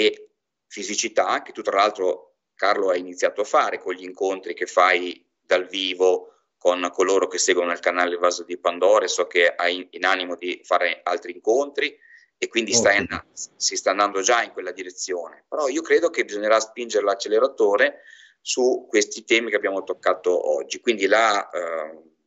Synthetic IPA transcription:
e | fizit͡ʃit̪aaŋk̟et̪ut̪ːɾalalt̪ɾo | karloajinit̪sːjaːt̪oafaːɾekoʎiːŋkont̪ɾikefːaj | d̪alviːvo | konkoloːɾok̟eseːɡwononelkanaːlevaːzod̪ipand̪ɔːɾesɔk̟eʔajinanimod̪ifaːɾealt̪ɾiːŋkont̪ɾi | ekwind̪isst̪ajanasist̪aːnd̪and̪od͡ʒaiŋkwelːad̪iɾet̪sːjoːnepeɾɔiːokɾeːd̪okebizoɲːeɾaspind͡ʒeɾelat͡ʃːeleɾat̪oːɾe | sukːwest̪it̪ɛːmikeabjaːmot̪okːaːt̪oʔɔ̰d͡ʒːikwind̪ila

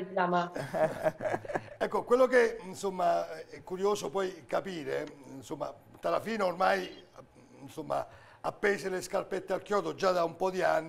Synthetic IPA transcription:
lama | ɛkːokwelːokensomːaɛkːuɾjoːzopɔjkapiːɾḛnsomːa̰ | t̪alafiːneormaj | nsomːa̰ | apːɛːseleskarpet̪ːealk̟jɔːd̪od͡ʒad̪aumpɔd̪ianː

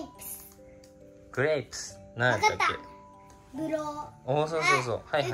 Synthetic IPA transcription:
p | ɡ̥ɯ̟ɾepsnãat̪ːakt̪ːkːḛ | bɯɾooːsoːsoːs̬o̰ːhaiha

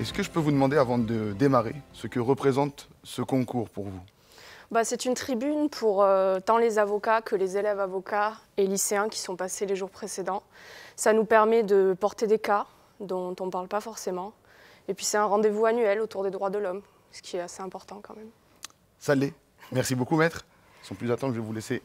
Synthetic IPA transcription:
ɛskəʒəpøvud̪əmɑ̃d̪eavɑ̃d̪d̪əd̪emaʁesəkəʁəpχezɑ̃t̪səkɔ̃kʰuʁpuʁvu | basɛt̪ynt̪χibynpʰuʁøt̪ɑ̃lezavɔkakʰəlezelɛvavɔka | eliseɛ̃kʲi̥sɔ̃paseleʒuʁpχesed̪ɑ̃sanupɛʁmɛd̪əpɔʁt̪ed̪eka | d̪ɔ̃t̪ɔ̃paʁlpafɔʁsemɑ̃ | epɥisɛt̪ɛ̃ʁɑ̃d̪evuanɥɛlot̪uʁd̪ed̪ʁwad̪əlɔm | sə̥kʲiɛt̪aseɛ̃pɔʁt̪ɑ̃kɑ̃mɛm | sale | mɛʁsibokumɛt̪χ | sɔ̃plyzat̪ɑ̃kʒvevulese

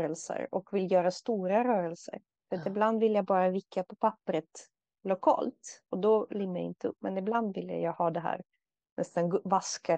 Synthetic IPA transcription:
ɾɛlsə̰ɾɔkvɪlːjœːɾast̪uːɾaɾœːɾɛlsə̰ɾ | fœɾat̪ɪbland̪vɪljaːbɑːɾavɪkʰːapɔpʰapːɾət̪ | lʊkʰɑ̰ːlt̪ɔd̪ɔlɪmːja̰ɪ̰nt̪əɵpːmɛnɪbland̪vɪlja̰jɑːɡhɑːd̪ɛɦæ̰ːɾ | nɛst̪anɡvaska

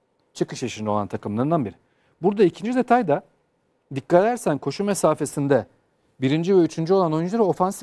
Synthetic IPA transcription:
t͡ʃʰɯkɯʃeʃind̪o̞lˠant̪ʰakʰɯmlˠaɾɯnd̪anbiɾɪ | buɾd̪aicʰind͡ʒid̪e̞t̪ʰajd̪a | d̪ikːat̪æɾsænkʰo̞ʃumesaːfe̞sind̪ɛ | biɾind͡ʒyvɛyt͡ʃʰynd͡ʒyo̞lˠano̞jynd͡ʒlˠaɾo̞fans

